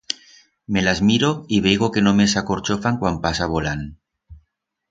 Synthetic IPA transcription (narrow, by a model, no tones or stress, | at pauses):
me̞lazmiɾoiβejɣoke̞nomesakoɾt͡ʃofaŋkwampasaβolan